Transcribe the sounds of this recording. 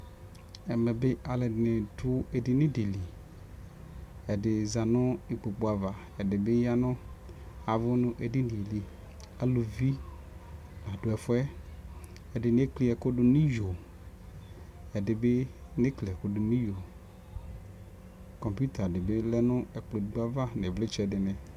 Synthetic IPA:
ɛ˨mɛ̃˨bɪ˦ʔa˨lɪ˨dɪ˨nɪ˨dʊ˦e˨dɪ˨nɪ̃˦dɪ˨li˨ | ɛ˨dɪ˨za˨nʊ̃˦ɪ˨k͡po˨k͡pu˨a˨va˨ | ɛ˨dɪ˨bɪ˦ja˦nʊ̃˦ | a˨vʊ˦nʊ̃˦ʔe˨dɪ˦ni˨e˨li˨ | a˨lo˨vi˦ | na˨dʊ˨ɛ˨fʊ˦ɛ˦ | ɛ˨dɪ˨n˦e˦kli˦ɛ˨kʊ˦dʊ˦nĩ˦jo˨ | ɛ˨dɪ˨bɪ˦nɪ˦kli˨ɛ˨kʊ˦dʊ˨nĩ˦jo˨ | kɔ˨mpu˦t̪a˨dɪ˨bɪ˦lɛ˦nʊ̃˦ɛ˨k͡plo˨ɡ͡ba˦va˦nɪ̃˨vlɪ˦t͡ʃɛ˨dɪ˨nɪ̃˨

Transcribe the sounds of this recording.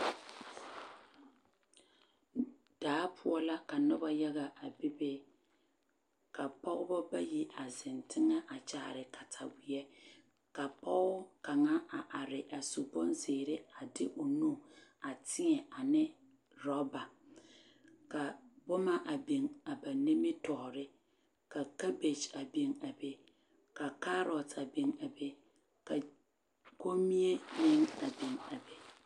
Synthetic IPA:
d̥aː˨˦pʰʊ˦ɔ˦la˦ka˨nʊ˦ba˦jɛ˦ɣa˨ʔa˨bi˦be˦ | ka˨pɔ˦ʔʊ˦bɔ˦ba˦ji˦ʔa˨zɪ˨ntɪ˦ŋa˦ʔa˨t͡ʃaː˦˨ɾɪ˨ka˨tʰa˨wɪ˨ɛ˦ | ka˨pɔ˦ʊ˦ka˨ŋa˦ʔa˨ʔa˨ɾɪ˨ʔa˨su˨bɔ˦nzeː˨ɾɪ˦a˨dɪ˦ʔo˨nu˦˨a˨tʰɪ˦ŋɛ˨ʔa˨nɪ˦ | ɾɔ˦ba˨ | ka˨bʊ˦ma˦ʔa˨be˨ŋa˨ba˨ne˦me˦tɔ˨ɾɪ˦ | ka˨ka˦be˨t͡ʃa˨be˨ŋa˨be˨ | ka˨ka˦ɾɔ˨ta˨be˨ŋa˨be˦ | ka˨ | ko˦mi˦e˦nɪ˦ŋa˨be˨ŋa˨be˦

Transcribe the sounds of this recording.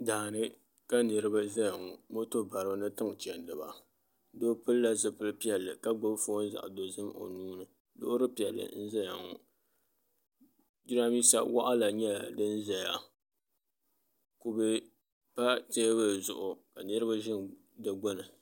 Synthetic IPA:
daː˨nɨ˦ | ka˦nɨ˨ɾɨ˦ba˦za˦ja˨ŋo˨mo˦to˦ba˨ɾɨ˨bɨ˨nɨ˦tɨ˦ŋ˨t͡ʃɛ˨n˨dɨ˨ba̰˨ | do˦pɨ˦lla˦zɨ˦pɨ˦lpi˦ɛ˨lːɨ˨ka˦ɡ͡bo˦bfo˦n̩˦za̰˨ʔdo˨zɨ˦mo̰˨nuː˦nɨ˨ | dʊ̰˦ʔɾɨ˦pi˨ɛ˨lːɨ̰˨n̩˦za˦ja˨ŋɔ̰˨ | d͡ʒi˦ɾa˦miː˦sa̰˦wa˦ʔa˦la˨ɲɛ˦˨dɨ˦nza˨ja˨ | ku˨bɨ˦ | pa˦te˦bɨ˦˨zʊ˨ʔʊ˨ka˨nɨ˦ɾɨ˦ba˦ʒɪ˦ŋ | dɨ˨ɡ͡bo˦nɨ˨

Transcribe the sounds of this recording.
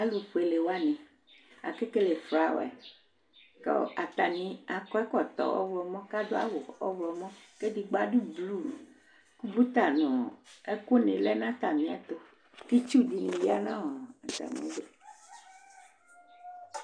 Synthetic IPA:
a˦lu˨ɸu˨e˨le˨wa˦nẽ˨ | a̰˨ke˦ke˦le˨fɾa˨˦wɛ̰˨ | kɔ̰˦a˨t̪a˨nĩ˨a˨kɔ˦ɛ˦kɔ˨t̪ɔ̰˨ʔɔ̰˦wlɔ˨mɔ̃˦ka˦do˦a̰˦wo˨ɔ̰˦vlɔ˨mɔ̃˦ke˦di˨ɡ͡ba˦ɖu˦blu˦˨ | ku˦bu˦t̪a˨nɔ̃˨e˦ko˦nẽ˨lɛ˦nã˦t̪a˨mĩ˨a˨t̪o˦ | t̪i˦t͡ʃu˦di˨nĩ˨ji˦a˦nã˦wɔ˨t̪a̰˨mḛ̃˦be˦

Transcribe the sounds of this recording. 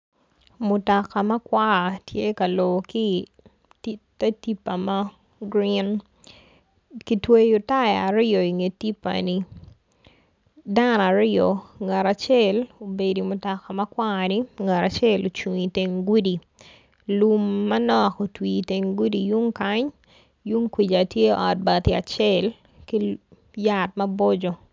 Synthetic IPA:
mʊ˨tɔ˨ka˨mɐ˦kwa˦˨tje˦kɐ˨lo˨ki˦ | ti˦ta˦ti˦pːa˨ma˦ | ɡɾi˦n | ki˨twe˦jʊ˨ta˦ja˨ɾɪɔ˨i˨ŋe˨ti˦pːa̰ni˨ | da˦na˨ɾɪɔ˨ŋa˨ɾa˨t͡ʃɛ˦lo˨be˨di˨mʊ˨tɔ˨ka˨mɐ˦kwa˦ni˦ŋa˨ɾa˨t͡ʃɛ˦lo˨t͡ʃu˨ŋi˨te˨ŋɡu˦di˨ | lu˦mːɐ˦nɔko˨twi˨te˨ŋɡu˦di˨ju˦ŋka˦ɲ | ju˦ŋkwi˨d͡ʒa˨tje˦ɔ̰˨t̚ba˨t̪ia˨t͡ʃɛ˦l | ki˦ | ja˦tmɐ˦bɔ˦d͡ʒɔ˨

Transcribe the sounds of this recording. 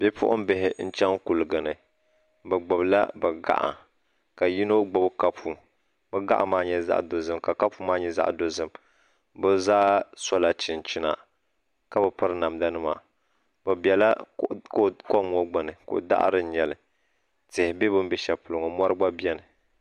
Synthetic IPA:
b̥ɛ˦pʊ̰˦ʔʊ̰˦m˦bɪ˦ɦɪ˨n̩˦t͡ʃɛ˦ŋku˨lɨ˨ɡɨ˨nɨ˨ | bɛ˨ɡ͡bʊ˨bla̰˦bɨ˨ɡa̰˨ʔa̰˨ | ka˨ji˦no˦ɡ͡bʊ˨bka˦pu˨ | bɛ˦ɡa̰˦ʔa̰˨maː˦ɲɛ˦za̰˦ʔdo˨zɨ˦mka˨ka˦pu˦maː˦ɲɛ˦za̰˦ʔdo˦zɨ˦m | bɨ˦zaː˦sɔ˦la˨t͡ʃɪ˨nt͡ʃɪ˦na̰˨ | ka˦bɨ˨pɨ˦ɾɨ˦na˨mda˦nɨ˦ma̰˨ | bɨ˨bɛ˨la˦ko˦ko˦m˦o˦ɡ͡ba˨nɨ˨kʊ̰˨ʔʊ˨˦da̰˦ʔɾɨ˦ɲɛ˨lɨ˨ | tɪ˨hɪ˨be˦bɨ˦m˦bɛ˦ʃɛ˨pʊ˨lʊ˨ŋɔ˨mɔ˦ɾɨ˦ɡ͡ba˦bi˦ɛ˦nɨ˨

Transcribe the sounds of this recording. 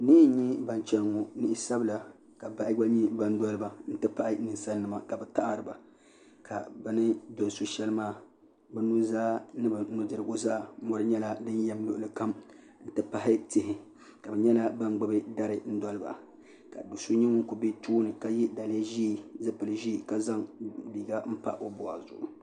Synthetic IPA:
ni˦ɲi˦ba˨n˨t͡ʃɛ˦lŋo˨nɨ˦ʔɪ˦sa˦bɨ˦la˨ | ka˨ba˨ʔɪ˦ɡ͡ba˦ɲi˦ba˦n˦dɔ˦lɨ˦ba˨n̩˦tɨ˦pa˦ʔɪ˦nɨ˨n˨sa˦nː˦ɨ˨ma˨ka˨bɛ˨ta˦ʔa˦˨ɾɨ˨ba̰˨ | ka̰˨bɨ˦nɨ˦dɔ˨so˨ʃɛ˦lɨ˦maː˦˨ | bɛ˦nu˦zaː˦nɨ˦ba˨nu˦dɨ˨ɾɨ˨ɡo˦zaː˦˨˦mɔ˦ɾɨ˦ɲɛ˦la˦dɨ˦njɛ˦mlʊ˦ʔʊ˨lɨ˨ka˦m | n̩˦tɨ˦pa˨hɪ˦tɪ˨ɦɪ˨ | ka˨bɛ˨ɲɛ˦la˦ba˦n˦ɡ͡bɨ˦bɨ˦da˦ɾɨ˦n̩˦dɔ˦lɨ˦ba̰˨ | ka˨du˨so˦ɲɛ˦ŋʊ˦ku˨bɪ˦tuː˦nɨ˨ka˦jɛ˦da˨lɛ˦ʒi˦˨zɨ˦pɨ˨lɨ˨ʒiː˦˨ka˦za˦ŋliː˨ɡa˦m̩˦pa̰˦ʔo˦bɔ˨a̰˨zʊ̰˨ʔʊ˨

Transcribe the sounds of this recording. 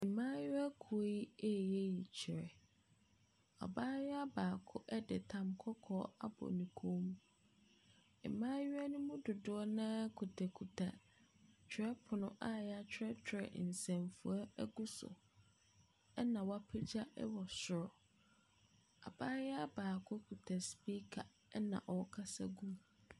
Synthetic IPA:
ɛ˨mãː˦jɪ˦a˦kʰu˨o˦ji˦e˦˨jɛ˦ji˨t͡ɕʰɪ˨ɾɛ˨ | a̰˨baː˦jɛ˦a˦baː˨kʰʊ˦ʔɛ˦dɛ˨tʰã˨mkʰɔ˦kʰɔː˦a˦bɔ̰˨nĩ˨kʰõ˦mũ˦ | ɛ̰˨mãː˦jɪ˦a˦nʊ̃˦mũ˦dʊ˨dʊ˨˦ɔ˦nã˦kʰu˨tʰa˨kʰu˨tʰa˨ | t͡ɕʰᶣɪ˨ɾɛ˦pʰʊ˨nʊ̃˦ʔa˦jɛ˨˦a˦t͡ɕᶣʰɛ˦t͡ɕʰᶣɪ˦ɾɛ̰˨n̩˨sɛ̃˨mfu˨a˦ɛ˦ɡu˦sʊ̰˨ | ɛ˦nã˨wa˦pʰɪ˦d͡ʑa˦ʔɛ̰˦wɔ˨sʊ˨ɾɔ˨ | a̰˨baː˦jɛ˦a˦baː˨kʰʊ˦kʰu˨tʰa˨spi˦kʰa˨ | ɛ˦nã̰˨ʔɔ˨kʰa˦sa˦ɡũ˦m

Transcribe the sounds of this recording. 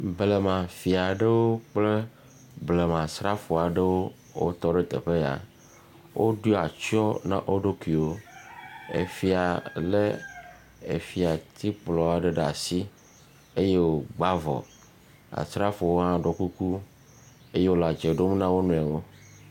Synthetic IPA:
ble˨mã˨fi˨a˨ɖe˦wo˦k͡ple˦ | ble˨mã˨sɾa˦fo˨a˨ɖe˦wo˦ | wo̰˦t̪ɔ˦ɖe˦t̪ḛ˨ɸe˦ja̰˨ | wʔo˦ɖu˦a˨t͡ʃɔ˦nã̰˦ʔo˦ɖo˦ki˨wo˦ | ḛ˨fi˨a˨le˦ | e˨fi˨a˨t̪i˦k͡plɔ˨a˨ɖe˦ɖa̰˨si˦ | e˦je˦wo˨ɡ͡ba˦vɔ̰˨ | a̰˨sɾa˦fo˨wo˦ɦã˦ɖɔ˨ku˦ku˦ | e˦je˦wo˦la˨d͡ʒe˨ɖo˦m˦nã˦wo˦nũ˨a˨wo˦

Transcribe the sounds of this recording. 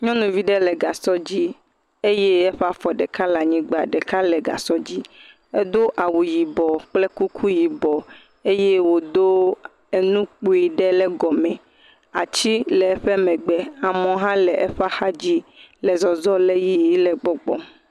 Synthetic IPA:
ɲɔ̃˦nũ˨vi˦ɖɛ˦lɛ˨ɡa˨sɔ˦d͡ʑi˦ | e˦je˦ɛ˦ɸɛ˦a˦fɔ˨ɖɛ˨ka˦la˨ɲĩ˨˦ɡ͡be˨a̰˨ɖɛ˨ka˦lɛ˨ɡa̰˨sɔ˦d͡ʑi˦ | ɛ˦d̪o˦ʔa˨wu˨ji˨bɔ˨k͡plɛ˦ku˦kʰu˦ji˨bɔ˨ | e˦je˦wo˨d̪o˦ | e˨nũ˦k͡po˨i˨ɖɛ˦lɛ˦ɡɔ˨mɛ̃˨ | a̰˨t͡ɕi˦lɛ˨ɛ˦ɸɛ˦mɛ̃˨ɡ͡bɛ˨a˨mɔ̃˨ɦã˦lɛ˨ʔɛ˦ɸa˦xa˦d͡ʑi˦lɛ˨zɔ˨zɔ˦lɛ˦ji˦i˦lɛ˨ɡ͡bɔ˨ɡ͡bɔ̰˨m

